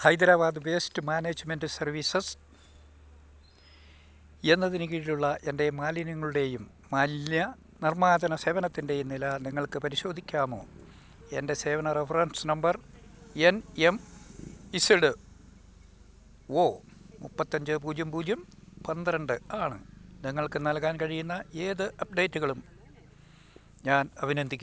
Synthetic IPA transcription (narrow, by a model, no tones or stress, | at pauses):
hɐjd̪ɐɾaːbaːd̪ɨbe̞ːstɨmaːneːd͡ʑme̞ndɨsɐrʋiːsɐs | e̞nːɐðinɨk̬iːɻiluɭːɐʔe̞nde̞maːlinɐŋːɐɭuɽe̞jumːɐnjɐ | nirmaːd̪ɐnɐse̞ːʋɐnɐt̪ːinde̞jimnilɐniŋːɐɭkɨpɐɾiɕo̞ːd̪ʱikʲːaːmo̞̰ː | e̞nde̞se̞ːʋɐnɐrefɐrɐnsnɐmbɐr | enem | iseɽɨ | oː | mupːɐt̪ːɐɲd͡ʑɨp̬uːd̪jɐmpuːd͡ʑʱjɐmpɐnd̪iɾɐɳɖɨaːɳɨ̰niŋːɐɭkɨnɐlkaːnkɐɻijunːɐe̞ːðɨʔɐp̚ɖe̞ːtːuɣɐɭum | ɲaːnɐbʱinɐnd̪ikʲːu